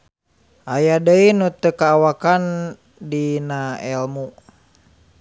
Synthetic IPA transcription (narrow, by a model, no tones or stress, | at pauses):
ʔajadəinut̪əkaːwakan | dinaɛlmu